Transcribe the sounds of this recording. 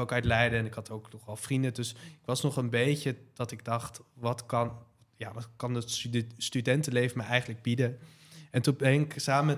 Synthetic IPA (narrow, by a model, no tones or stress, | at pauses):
owkœtlɛjdəɛnɪkɦɑtowknɔχɛlˠfrindədɵsɪkʋɑsnɔχənbejcəd̥ɑtɪɡ̚dɑχtʋɑtkɑn | jaːʋkɑnətstydɛntəlejvəmɛjɛjχənləɡ̚bidə | ɛntubɦɪŋɪksaːməmɛ